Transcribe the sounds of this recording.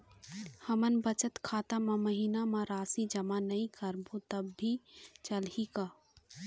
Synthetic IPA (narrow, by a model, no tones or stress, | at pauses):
hɐmənbət͡ʃət̪kʰaːt̪amãməɦiːnamãɾaːsid͡ʒɐmanɐĩkəɾbot̪ɐbːit͡ʃəlhikaː